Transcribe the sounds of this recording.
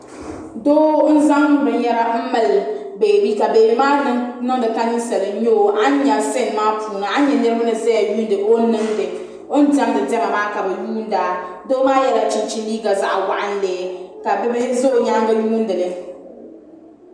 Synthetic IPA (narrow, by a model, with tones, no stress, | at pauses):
doː˦n̩˦za˦ŋ˦n˨˦ɾɨ˨ɲɛ˦ɾa˦m̩˦mɨ˨l | beː˨bi˦ka˨beː˨˦maː˦nɨ˦ŋnɨ˦ŋdɨ˨ta˦nɨ˦sɛ˨lɨ˨˦ɲo˦˨ʔa˦ɲɛ˨sɛ˦˨n˨maː˦pʰu˨na˨a˦ɲɛ˨nɨ˦ɾɨ˦ba˦nɨ˨zɛ˦ja˨ju˦n˦dɨ˨ʔo˦nɨ˦ŋdɨ˨ | o˦n̩˦tɛ˦m˦dɨ˨dɛ˦ma˨maː˦ka˨bɛ˨juː˦n̩˦daː˨˦ | doː˦maː˦jɛ˦la˨t͡ʃi˨˦t͡ʃi˦niː˦ɡa˨za˦ʔwa˨ʔa˦n̩˦lɛː˨ka˨bɛ˦bɪ˦zo˦˨ɲa˦ŋbɛ˦juː˦n̩˦dɨ˨lɛ˨